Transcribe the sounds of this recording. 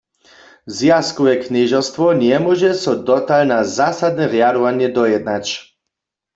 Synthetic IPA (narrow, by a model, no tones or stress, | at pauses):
zjaskɔvɛknɪʒɔst̪vɔnjɛmwɔʒɛsɔd̪ɔt̪alnazasad̪nɛʁjaɾɔvanjɛd̪ɔjɛd̪nat͡ɕ